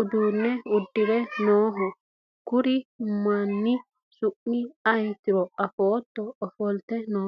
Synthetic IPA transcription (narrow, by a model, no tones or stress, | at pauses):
ʊd̪uːnːɛʊd̪ːɪd̪ɛnoːɦɔ | kʊɾɪʊmːanːɪ | sʊʔːɪɐjt̪ːɪɾɔɐfoːt̪ːɔɔfɔlt̪ɛnoː